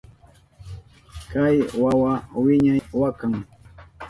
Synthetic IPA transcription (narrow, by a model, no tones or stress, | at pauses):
kajwawawɪɲajwakaŋ